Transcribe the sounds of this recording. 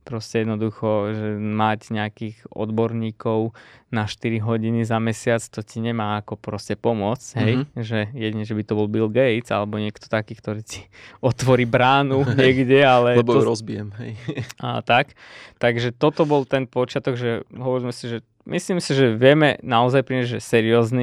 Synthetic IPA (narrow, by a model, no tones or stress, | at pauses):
pɾɔscɛjɛd̪nɔd̪uxɔʒɛmacɲɛakiːɣɔ̰d̪bɔɾɲiːkɔʊnaʃt̪iɾiɦɔɟinizamɛsɪat͡st̪ɔciɲɛmaːkɔpɾɔscɛpɔmʊɔt͡sɦɛjʒɛjɛɟiɲɛʒɛbit̪ɔbɔlbilɡɛjt͡sa̰lɛbɔɲɪɛkt̪ɔ̥t̪akiːkt̪ɔɾiːci̥ɔt̪ʋɔɾiːbɾaːnuɲɪɛɡɟɛalɛlɛbɔɾɔzbiɛmɦɛjə̰t̪akt̪aɡʒɛt̪ɔt̪ɔbɔlt̪ɛnpɔt͡ʃɪat̪ɔɡʒɛɦɔʋɔɾizmɛsiʒɛ | misliːmsiʒɛʋɪɛmɛnaɔzajpɾiɲazʒɛsɛɾiɔːzni